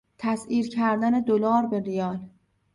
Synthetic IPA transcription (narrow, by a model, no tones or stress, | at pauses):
t̪ʰæsiːɾcʰæɾd̪æne̞d̪olɒːɾbe̞ɾijɒːl